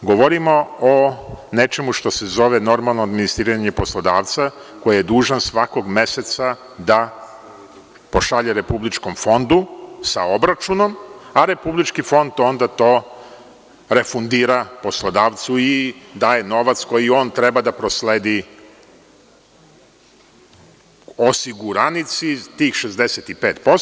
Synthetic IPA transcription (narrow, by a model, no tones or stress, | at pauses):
ɡoʋoɾimo̞one̞t͡ʃe̞muʃt̪o̞sezo̞ʋeno̞ɾmalˠnoad̪minist̪ɾiːɾaɲepo̞slˠod̪aːʋt̪sako̞jaje̞d̪uːʒansʋako̞ɡme̞set̪sa | d̪a | po̞ʃaʎeɾe̞publit͡ʃko̞mfo̞nd̪usaobɾat͡ʃuno̞maɾe̞publit͡ʃkifo̞nd̪o̞nd̪at̪o̞ː | ɾe̞fund̪iːɾapo̞slˠod̪aːʋt̪suid̪aːje̞no̞ʋat̪sko̞jio̞ːnt̪ɾebad̪apɾosleːd̪i | osiɡuɾanit̪sit̪iːxʃezd̪eset̪ipeːt̪po